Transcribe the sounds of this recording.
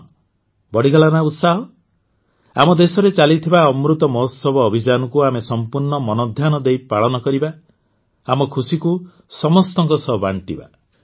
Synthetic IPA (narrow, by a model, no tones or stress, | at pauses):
bɔɽ̤iɡɔɭanaut̪saɦɔ | a̰mɔd̪esɔɾet͡ʃalit̪ʰibaɔmɾut̪ɔmɔsɔbɔːbʱid͡ʒanɔkuamesɔmpuɾɳɔmɔnɔd̪ʱjanɔd̪ejpaɭɔnɔkɔɾiba | amɔkʰusiku | sɔmɔst̪ɔŋkɔsɔba̰ɳʈiba̰